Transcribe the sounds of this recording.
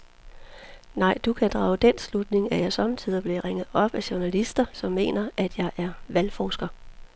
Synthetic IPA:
nɑ̈ɪ̰d̥ukʰæd̥ʁɑ̈ːʊd̥en̰slud̥ne̝ŋæjɑ̈ɪsɒ̽mt͡sʰið̰ˠɐb̥le̝ʁeŋ̰ð̩ˠɒ̽b̥æɕuɐnælisd̥ɐsɒ̽mːe̝̰ːnɐʔæd̥jɑ̈ɪʔæɐʋælfɒːsɡ̥ɐ

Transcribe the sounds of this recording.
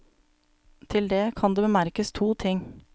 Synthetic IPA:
t̪ʰɪld̪eːkʰɑnd̪eːbəmæɾkəst̪ʰuːt̪ʰɪŋ

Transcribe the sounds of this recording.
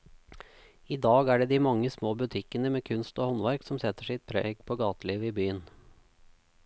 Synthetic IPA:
iːd̪ɑːɡæːɖeːd̪iːmɑŋːəsmoːbʉt̪ʰɪkənəmeːkʰʉnst̪oːhɔnʋæɾksɔmsɛt̪ːəʂɪt̪̚pʰɾeːɡpʰoːɡɑːt̪əliːʋiːbyːən

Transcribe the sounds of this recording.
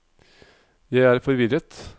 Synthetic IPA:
jæɪæːɾfɔɾʋɪɾət̪

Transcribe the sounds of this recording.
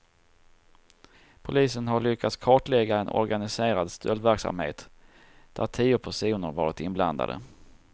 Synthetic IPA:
pʰʊliːsənɦaɭʏkʰːat̪skʰɑːʈlɛɡːaɛnʔɔ̰ɾɡanɪseːɾad̪st̪ʰœld̪væɾksa̰mhḛːt̪ | d̪̥æʈʰiːʊpʰæʂuːnəɾvɑːɾɪt̪ɪnbla̰nd̪a̰d̪ə̰

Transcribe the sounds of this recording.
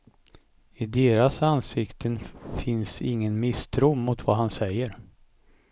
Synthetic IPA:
ɪd̪eːɾasansɪkt̪ʰənfɪnsɪŋːənmɪst̪ʰɾuːmʊt̪vaɦansɛjːəɾ

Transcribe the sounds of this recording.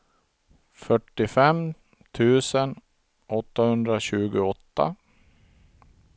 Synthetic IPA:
fœʈːɪfɛm | t̪ʰʉ̟ːsən | ʔɔt̪ːahɵnd̪ɾaɕʉ̟ːɡʊɔt̪ːa̰

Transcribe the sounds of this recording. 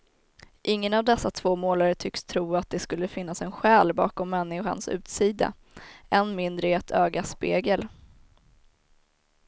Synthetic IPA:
ʔɪŋːənavd̪ɛsːat̪ʰv̥oːmoːlaɾəʈ̪ʰʏkst̪ʰɾuːat̪̚d̪ɛskɵlːəfɪnːasɛnɧɛːlbɑ̰ːkɔmːɛnːɪɧa̰nsʉ̟̰ːt̪siːd̪a̰ | ɛnmɪnd̪ɾəɛt̪ʰøːɡaspeːɡəl

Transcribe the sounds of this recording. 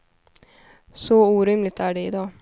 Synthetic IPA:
sɔuːɾʏmlɪt̪æːɖɛɪd̪ɑː

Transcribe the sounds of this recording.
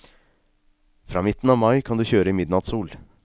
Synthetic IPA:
fɾɑ̰ːmɪt̪n̩ɑːʋmɑɪkʰɑnd̪ʉːçøːɾəɪmɪd̪nɑt̪suːl

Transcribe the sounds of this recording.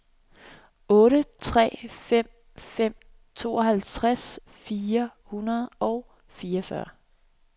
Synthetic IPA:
ɔ̽ːɾət͡sʰʁɛ̰ːfem̰ | fem̰ | t͡sʰo̝̰ːɒhælt͡sʰʁas | fiːɐhunɐð̞̩ˠɒʊ | fiːɐfɶɐ̰

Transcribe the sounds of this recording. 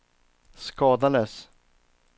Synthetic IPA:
skɑːd̪aləs

